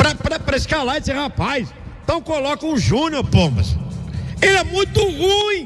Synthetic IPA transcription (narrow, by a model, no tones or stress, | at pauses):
pɾɐpɾɐpɾɐiskalaɾisẽhapajsẽt̪ɐ̃w̃kolɔkɐũʒũnjoɾpõmɐ̰s | elɛmũj̃t̪ʊhũĩ